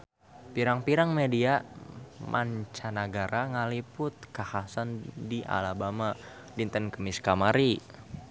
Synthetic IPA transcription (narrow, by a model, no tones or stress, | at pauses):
piɾaŋpiɾaŋmedia | mʔa̰ɲt͡ʃanaɡaɾaŋalipʊt̪̚kahasandiʔa̰labama | lint̪ənkəmiskamaɾi